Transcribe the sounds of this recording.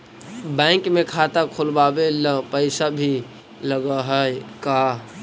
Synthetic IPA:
bɛɪŋkmekʰat̪akʰolbabeləpəɪsabʱi | ləɡəɦəjka

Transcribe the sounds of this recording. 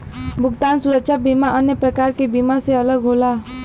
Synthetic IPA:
bʱʊkt̪aːnsʊɾəkʃabiːmaʔənjəpɾəkaːɾkebiːmaseɐləɡɦoːlaː

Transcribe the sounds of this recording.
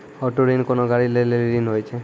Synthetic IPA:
ɔʈoɾinkonoɡaɽileleliɾinɦojt͡ʃʰe

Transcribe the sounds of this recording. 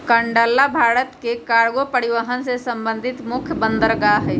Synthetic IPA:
kəɳɖəlːabʱaːɾət̪kekaɾɡopəɾiʋəɦənsesəmbə̃nd̪ʱit̪mʊkʰjəbənd̪əɾɡaɦɛ

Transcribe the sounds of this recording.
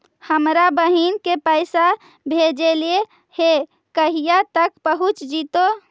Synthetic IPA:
həmɾabəɦinkepəɪsa | bʱed͡ʒelie | he | kəɦijat̪əkpəɦut͡ʃd͡ʒit̪o

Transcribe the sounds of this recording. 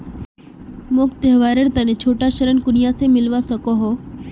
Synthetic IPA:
mʊkt̪eɦʋaːɾəɾt̪ənẽt͡ʃʰoːʈaʃəɾənkʊnijasemɪlʋasəkoɦo

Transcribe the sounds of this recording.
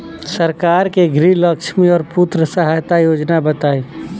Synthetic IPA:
səɾkaːɾkeɡɾiləkʃmĩɔːɾput̪ɾəsəɦajt̪ajoːd͡ʒnabət̪aːi

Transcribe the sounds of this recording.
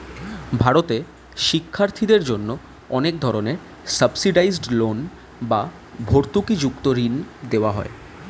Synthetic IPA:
bʱaɾot̪e | ʃikʰːaɾt̪ʰid̪eɾd͡ʑonːo | ɔnek̚d̪ʱɔɾoneɾ | səbsiɖajzɖlon | ba | bʱoɾt̪ukid͡ʑukt̪oɾind̪eoaɦɔ̰e

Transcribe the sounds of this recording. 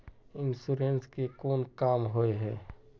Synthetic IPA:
ɪnsuɾenskekoːnkaːmɦoeɦɛː

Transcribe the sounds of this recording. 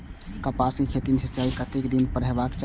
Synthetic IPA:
kəpasĩkʰet̪imesit͡ʃaikət̪ekd̪inpəɾɦɛbakt͡ʃ

